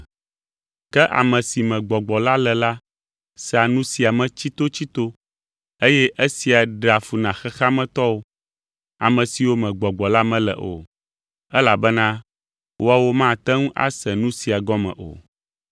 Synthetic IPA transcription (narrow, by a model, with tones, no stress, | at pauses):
kɛ˦ʔa̰˨mɛ̃˨si˨mɛ̃˨ɡ͡bɔ˨ɡ͡bɔ˨la˦lɛ˨la˦ | sɛ˦a˨nũ˦si˨a˨mɛ̃˨t͡ɕi˦t̪o˦t͡ɕi˦t̪o˦ | e˦jɛ˦ʔe˦si˨a˨ɖa˨fu˨nã˨xɛ˦xa˦mɛ̃˨t̪ɔ˦wo˦ | a̰˨mɛ̃˨si˨wo˦mɛ̃˨ɡ͡bɔ˨ɡ͡bɔ˨la˦mɛ̃˦lɛ̰˨ʔo̰˨ | ɛ˦la˨bɛ˦nã˦ | wʔo˦a˦˨wo˦mã˦˨t̪ɛ̃˦ŋũ˦ʔa̰˦sɛ˨nũ˦si˨a˨ɡɔ˦mɛ̰̃˨ʔo̰˨